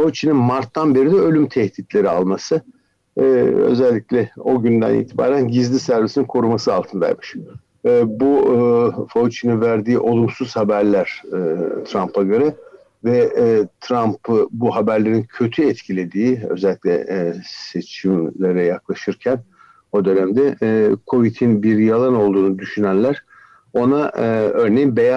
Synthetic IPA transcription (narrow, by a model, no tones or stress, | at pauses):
fout͡ʃʰininmaɾt̪ːanbe̞ɾid̪ɛø̞lʲymt̪ʰɛhd̪it̪lʲe̞ɾia̰lˠmasɯ | ø̰zɛlʲːiclʲɛo̞̰ɟynd̪æ̰nḭːt̪ʰiba̰ːɾænɟizlʲisæɾvisininkʰo̞ɾumasɯalˠt̪ʰɯnd̪a̰jmɯʃː | bu | fout͡ʃʰininvæɾd̪iːʔo̞lˠumsuz̥habæɾlʲæɾ̥t̪ʰɾampʰaɡaɾɯ | vɛt̪ʰɾampɯbuɦabæɾlʲe̞ɾincʰø̞t̪ʰyɛt̪cʰilʲe̞d̪iːøzɛlʲːicʲlʲɛ̰se̞t͡ʃʰimlʲe̞ɾɛjaklˠaʃɯɾcʰæn | o̞d̪ø̞næmd̪ɛkʰo̞vit̪ʰinbiɾjalˠano̞lˠd̪uːnud̪yʃynænlʲæɾ̥ | o̞naø̞ɾne̞jinbeja